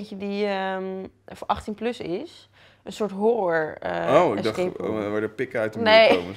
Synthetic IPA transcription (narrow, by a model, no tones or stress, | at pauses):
çədiə | fʔɑχtinplɵsɪs | ənsʊːɹtɦʊrɔɹəowɪɡdɑχkḛʋaːdəpɪkɛjtənejo̰mə